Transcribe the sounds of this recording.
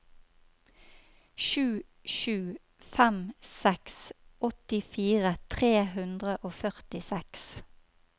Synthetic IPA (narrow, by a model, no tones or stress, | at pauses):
ʃʉː | ʃʉː | fæmsɛksʔɔt̪ɪfiːʁət̪ʰʁeːhʉnd̪ʁəʔoːfœʁt̪ɪsɛks